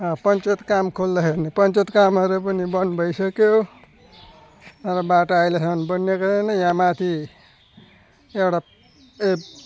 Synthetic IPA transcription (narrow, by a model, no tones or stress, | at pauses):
ʌpʌnt͡ʃʌt̪kamkʰold̪ʌɦenipʌnt͡ʃʌt̪kamɦʌɾup̬ʌnibʌnbʱʌjsʌkjo | ɾʌbaʈoajlesʰʌnbʌnjekʌdenʌjãmat̪ʰi | ewɽa | e